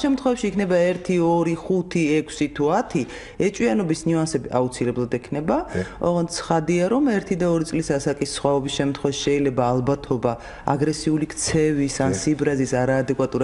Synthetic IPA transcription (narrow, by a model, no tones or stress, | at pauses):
ʃɛmt̪χwɔvɛpʃiːkʰnɛbaɛɾt̪ʰiɔɾiχut̪ʰiɛkʰsit̪ʰuat̪ʰi | ɛt͡ʃʼwianɔbisnuansɛbiʔa̰ut̪sʰilɛblˠad̪ɛkʰnɛbaɔ̰ɔnt̪sʰχad̪iaɾɔmɛɾt̪ʰid̪aɔɾit̪sʼlisasakʼisːχwaɔbisʃɛmt̪ʰχwɛvaʃi̥ʃɛilɛbaːlˠbat̪ʰɔba | a̰ɡɾɛsiulikʰt̪sʰɛvisansibɾazisaɾaːd̪ɛkʼwat̪ʼuɾa